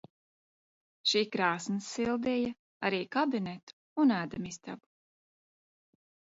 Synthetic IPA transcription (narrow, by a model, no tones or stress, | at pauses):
ʃiːkɾaːsnɨsːilˠd̪ɛja | a̰ɾiːkabinet̪u̥ | unæːd̪amist̪a̰bu̥